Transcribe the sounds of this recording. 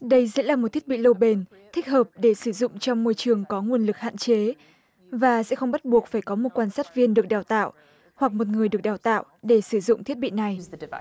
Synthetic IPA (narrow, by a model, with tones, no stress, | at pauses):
ɗə˧jzɛ̰˧˥laː˨˩mo˨˩t̪ʰi˦˥t̚ɓḭ˧˨lo˧ɓe˧n | t̪ʰï˦˥k̟̚həː˨˩p̚ɗe˧˩sɨ˧˩zʊ̰˧˨ŋ͡mt͡ɕɔ˧wŋ͡mmo˧jt͡ɕɨ˨˩əŋkɔ˨˦ŋwu˧ənlɨ˨˩k̚ha̰ː˧˨nt͡ɕe˨˦ | vaː˨˩sɛ̰˧˥xə˧wŋ͡mɓa˦˥t̚ɓu˨˩ək̚faː˧˩jkɔ˨˦mo˨˩t̚kwaː˧nsaː˦˥t̚vi˧ənɗɨ˨˩ək̚ɗaː˨˩wt̪a̰ː˧˨wʔ | hwa˨˩k̚mo˨˩t̚ŋɨ˨˩əjɨ˨˩ək̚ɗaː˨˩wt̪a̰ː˧˨wʔɗe˧˩sɨ˧˩zʊ̰˧˨ŋ͡mt̪ʰi˦˥ət̚ɓḭ˧˨na˨˩j